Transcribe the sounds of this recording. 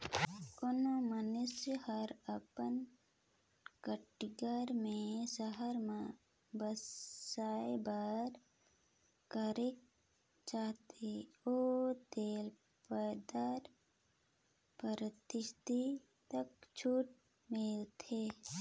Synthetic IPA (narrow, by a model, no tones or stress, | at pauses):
konomanʊsjəhəɾəpən | kəʈɡəɾmẽsəɦəɾmã | bəssaːebaɾ | kəɾɪk̚ | t͡ʃaːɦt̪eoːt̪eːl | pəd̪aɾ | pəɾət̪ɪʃt̪i | t̪ək̚t͡ʃʰuːʈ̚ | melt̪ʰeː